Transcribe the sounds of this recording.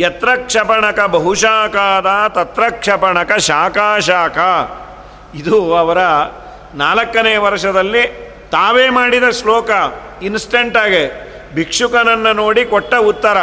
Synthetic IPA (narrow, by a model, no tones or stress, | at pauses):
jɐt̪ɾɐkʂɐpɐɳɐkɐbɐɦuʃaːkaːd̪ɐt̪ɐt̪ɾɐkʂɐpɐɳɐkɐʃaːkaːʃaːkʰɐ | id̪uɐʋɐɾɐ | naːlɐkːɐneːʋɐɾʂɐd̪ɐlːi | t̪aːʋeːmaːɽid̪ɐslɔːkɐ | insʈeɳʈaːɡe | bʱikʂukɐnɐnːɐnoːɽikɔʈːɐut̪ːɐɾɐ